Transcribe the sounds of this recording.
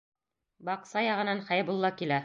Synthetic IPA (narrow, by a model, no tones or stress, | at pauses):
bɑqsɑjɑʁɤ̆nɑnχæjbulˠːɑkilæ